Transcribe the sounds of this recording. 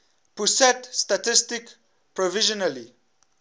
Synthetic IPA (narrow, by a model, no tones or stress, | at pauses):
pusɛtst̪atɪstɪk | pɾɔvɪʒɔnali